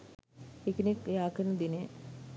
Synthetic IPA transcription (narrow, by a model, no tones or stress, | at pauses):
ekinekːejaːkənəd̪ine